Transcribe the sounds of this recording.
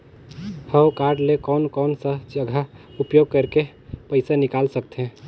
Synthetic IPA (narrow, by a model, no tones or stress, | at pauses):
həokaɾɖlekɔːnkɔːnsəd͡ʒəɡʱaupjoɡ̚kəɾke | pəɪsanikalsəkt̪eɦɛ̃